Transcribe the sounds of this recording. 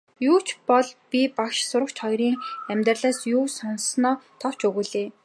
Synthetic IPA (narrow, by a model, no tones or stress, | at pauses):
juːt͡ɕʰpɔɮpʲipakʃsʊɾə̆kt͡ɕχɔjɾiːŋæmʲt̪rəɮaːsjuːsɔnsnɔːt̪ʰɔw̥t͡ɕɵɣuːɮeː